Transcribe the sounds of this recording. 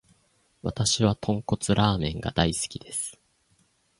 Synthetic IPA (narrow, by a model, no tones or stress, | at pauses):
βat̪aɕiβ̞at̪ʰõ̞ŋko̞t͡sɨɾʔaːmẽ̞ŋɡa̰d̪aisɨ̥kʲid̪̥e̞sɨ̥